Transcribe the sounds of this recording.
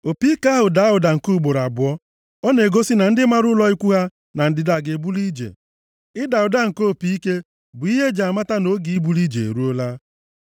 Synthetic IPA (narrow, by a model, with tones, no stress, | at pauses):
o˨pi˦ka˦ɦʊ˨da˨˦ɦʊ˨da˨ŋ̩˨ku˦˨ɡ͡bo˨ɾa˨bʊ˨ɔ˦ | ɔ˦ne˨ɡo˦si˦na˨n̩˦dɪ˦ma˦ɾʊ˦lɔ˦i˦kʷu˦ɦa˦ | na˨n̩˦dɪ˦da˦˨ɡe˨bu˦li˦d͡ʒḛ˨ | ɪ˦da˨ʊ˨da˦ŋ̩˨ko˦˨pi˦i˦ke˦ | bʊ˨i˦ɦe˦d͡ʒa˨a˨ma˦ta˦no˦ɡi˨i˦bu˨˦li˦d͡ʒe˨ḛ˨ɾu˦o˦la˦